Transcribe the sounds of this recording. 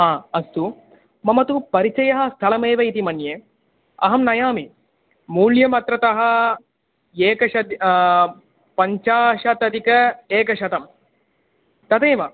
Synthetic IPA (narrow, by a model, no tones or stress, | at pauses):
ɦaːɐst̪u | mɐmɐt̪upɐɾit͡ʃɐjɐɦɐ̆st̪ʰɐlɐmeːʋɐit̪imɐnjeː | ɐ̰ɦɐmnɐjaːmi | muːljɐmɐt̪ɾɐt̪ɐɦɐ̆ | eːkɐʃɐt̪ | pɐɲt͡ʃaːʂɐt̪ɐt̪ikɐeːkɐʃɐt̪ɐm | t̪ɐt̪eːʋɐ